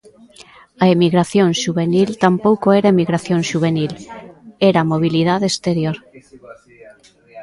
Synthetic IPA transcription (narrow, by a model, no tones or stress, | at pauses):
aemiɣɾaθjõŋʃuβenilt̪ampowkoeɾaemiɣɾaθjõŋʃuβ̞enil | eɾamoβ̞ilið̞aðest̪eɾjoɾ